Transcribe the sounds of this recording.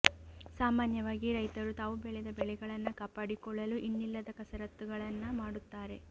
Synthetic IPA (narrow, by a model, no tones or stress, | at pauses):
saːmaːnjɐʋaːɡiɾɐjt̪ɐɾut̪aːʋubɛɭɛd̪ɐbɛɭɛɡɐɭɐnːɐkaːpːaːɽikɔɭːɐluʔinːilːɐd̪ɐkɐsɐɾɐt̪ːuɡɐɭɐnːɐmaːɽut̪ːaːɾe̞